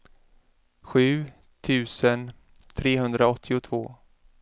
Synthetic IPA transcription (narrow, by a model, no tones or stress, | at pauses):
ɧʉ̟ː | t̪ʰʉ̟ːsən | t̪ʰɾeːɦɵnd̪ɾaɔt̪ʰːɪʊt̪ʰv̥oː